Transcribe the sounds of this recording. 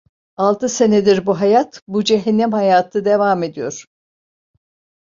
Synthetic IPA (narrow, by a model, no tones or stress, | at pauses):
alˠt̪ʰɯse̞ned̪iɾbuɦajat̪bud͡ʒeɦɛnːɛmhajaːt̪ʰɯd̪evaːme̞d̪ijo̞ɾ̥